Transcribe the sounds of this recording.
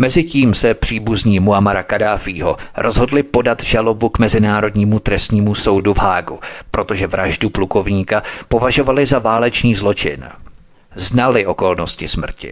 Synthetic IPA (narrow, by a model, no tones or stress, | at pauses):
mɛzɪciːmsɛpr̝̥iːbuzɲiːmuamaɾakadaːfiːɦo̞̰ɾʔo̞zɦo̞dlɪpo̞dat̪ʒalo̞bukmɛzɪnaːɾo̞dɲiːmut̪ɾɛst̪ɲiːmuso̞wduvɦaːɡṵpɾo̞t̪o̞ʒɛvɾaʒdupluko̞vɲiːkapo̞vaʒo̞valɪzavaːlɛt͡ʃniːzlo̞t͡ʃɪ̰n | znalɪʔo̞ko̞lno̞scɪsmr̩cɪ̰